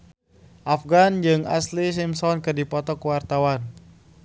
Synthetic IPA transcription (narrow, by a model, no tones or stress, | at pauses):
ʔafɡand͡ʒɨŋa̰slis̬imsɔnkɨrdipɔt̪ɔkuwart̪awan